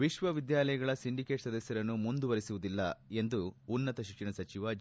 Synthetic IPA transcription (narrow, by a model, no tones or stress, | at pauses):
ʋiʃʋɐʋid̪jaːlɐjɐɡɐɭɐsiɳɖikeːʈsɐd̪ɐsjɐɾɐnːumund̪uʋɐɾisuʋud̪ilːɐe̞nd̪uːnːɐt̪ɐʃikʂinɐsɐt͡ʃiʋɐ